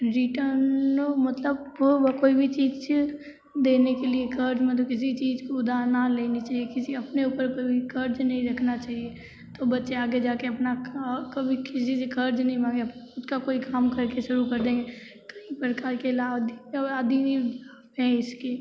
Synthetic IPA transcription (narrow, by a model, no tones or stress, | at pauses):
ɾɪʈəɾnomɐt̪ləboʋəkoːibʱit͡ʃiːd͡ʒ | d̪eːnekeliekʰɐɾd͡ʒmẽt̪̬okɪs̬it͡ʃiːzkoʊd̪aːnaleːnit͡ʃaːɦiekɪsiɐpneuːpəɾkobʱikʰɐɾd͡ʒnɐɦĩɾɐkʰnat͡ʃaːɦie | t̪obɐtːʃeaːɡed͡ʒaːkeɐpnakɐbʱikɪsisekʰɐɾd͡ʒnɐɦĩbʱãːŋɡeʊskakoːikaːmkɐɾkeʃʊɾukɐɾd̪ẽːŋɡe | kɐĩpəɾkaːɾkelaːbd̪aːd̪iaːbɦɛ̃ɪske